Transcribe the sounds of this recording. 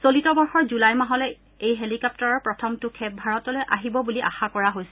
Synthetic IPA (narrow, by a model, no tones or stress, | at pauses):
solitɔbɔɹxɔɹzulajmaɦɔlɔ | ejɦelikɔp̚tɔɹɔɹpɹɔtʰɔmtʊkʰɛp̚bʱaɹɔtɔlojʔaɦibɔbuliʔa̰xakɔɹaɦojsɛ